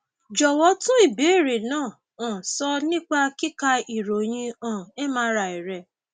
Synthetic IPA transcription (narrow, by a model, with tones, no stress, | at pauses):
d͡ʒɔ˨wɔ˧˦tũ˦i˦˨be˨˦˨ɾe˨nãː˦˨ | ɔ̃˨sɔ˧nĩ˦k͡pa˦ki˦ka˧i˨ɾo˨j̃ĩ˧ɔ̃˦˨e˦mã˦ɾa˨i˨ɾɛ˨˦